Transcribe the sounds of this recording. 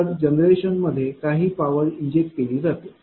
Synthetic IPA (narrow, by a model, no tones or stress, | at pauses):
ɾd͡ʑənɾeɕənməd̪ʱːjekaɦiːpaʋəɾiɲd͡ʑek̚ʈ̚keliːd͡zat̪i